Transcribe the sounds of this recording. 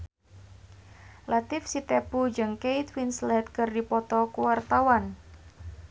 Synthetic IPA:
lʔat̪ɪfsit̪epud͡ʒɨŋkejt̪winslɛt̪̚kɨrdipɔt̪ɔkuwart̪awan

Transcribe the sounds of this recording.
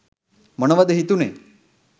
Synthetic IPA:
məñʋad̪eɦit̪unḛ

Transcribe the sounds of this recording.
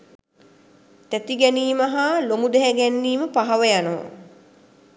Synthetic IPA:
t̪æt̪iɡɛniːmɐɦalomud̪ɛɦæɡɛnːiːməpaɦaʋəjano̰

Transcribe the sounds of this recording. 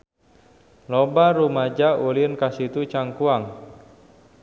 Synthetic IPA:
lɔbaɾumad͡ʒaʔulinkasit̪ut͡ʃaŋkuaŋ

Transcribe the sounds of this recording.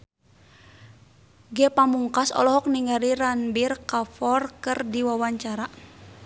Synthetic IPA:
ɡɛpamuŋkasɔ̰lɔɦɔk̚niŋaɾiɾanbirkafɔrkɨrdiwawaɲt͡ʃaɾa

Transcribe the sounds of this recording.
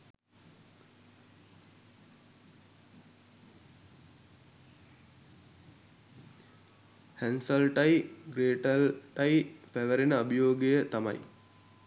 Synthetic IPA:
hænsəlʈɐjɡɾeːʈəlʈɐjpæʋəɾenəɐbijoːɡejət̪amɐ̰j

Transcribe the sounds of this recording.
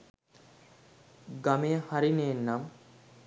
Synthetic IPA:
ɡamejəhaɾineːnːam

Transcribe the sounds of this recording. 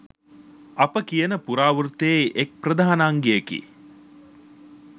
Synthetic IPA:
ɐpəkijənəpuɾaːʋuɾt̪eʔek̚prəd̪aːanaːŋɡeekḭ

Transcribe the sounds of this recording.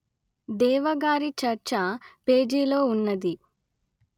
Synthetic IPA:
d̪ɛːʋɐɡaːɾit͡ʃɐɾt͡ʃɐpeːd͡ʒiːlo̞ːunːɐd̪i

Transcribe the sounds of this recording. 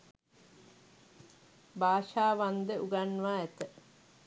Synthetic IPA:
baːʂaːʋand̪əuɡanʋaæt̪ə

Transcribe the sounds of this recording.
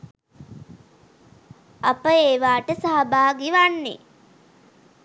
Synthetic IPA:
apəeːʋaːʈəsaɦɐbaːɡiʋanːḛ

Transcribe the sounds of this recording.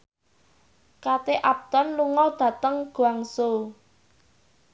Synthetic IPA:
kat̪eʔap̚t̪ɔnluŋɔd̪̥ä̤t̪əŋɡ̥uaŋso

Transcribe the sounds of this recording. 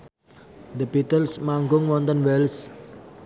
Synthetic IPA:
d̪əbit̪əlsmaŋɡʊŋwɔnt̪ənwɛls

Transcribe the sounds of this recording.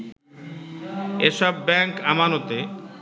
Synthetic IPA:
eʃɔbːɛŋkamanot̪e

